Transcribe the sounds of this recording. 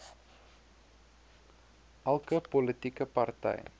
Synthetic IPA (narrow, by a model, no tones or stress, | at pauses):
ʔɐlˠkəpolətikəpɐrtɛ̰j